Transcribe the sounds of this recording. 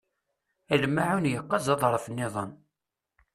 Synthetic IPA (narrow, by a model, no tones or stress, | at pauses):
ælmaʕanjəqːɑzɑðˤɾˤəfənːɪðˤən